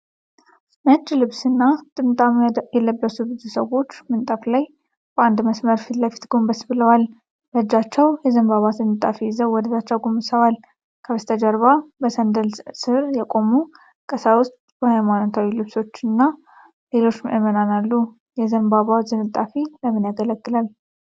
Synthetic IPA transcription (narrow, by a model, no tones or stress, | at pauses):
mət͡ʃːlɨβsɨnːat̪ʼɨmt̪ʼamjɛləbːəsubɨzusəwo̞t͡ʃːmɨnt̪ʼaflaj | bəʔand̪məsməɾfit̪ləfi̥t̪ɡo̞mbəsbɨləwal | bəd͡ʒːat͡ʃːɛwjɛzəmbaβazɨnɨt̪ʼːafizəwːɔd̪əzat͡ʃːawɡomɨsəwal | kʰəβəst̪ʰəd͡ʒəɾβabəsənd̪əlsɨɾjɛkʼo̞mu | kʼəsawʊst̪ʼb̥əhajmanot̪ʰawilɨβso̞t͡ʃːɨnːa | le̞lo̞t͡ʃːmʔɨmənanalːu | jɛzəmbaβazɨmɨt̪ʼːafiləmɨnjaɡələkʼːɨlal